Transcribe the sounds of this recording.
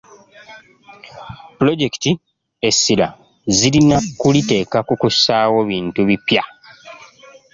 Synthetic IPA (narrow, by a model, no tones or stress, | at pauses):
pulo̞ɟe̞ki̥ti | e̞sːila̰ | zilinakulite̞ːkakukusaːwo̞βiːntuβipja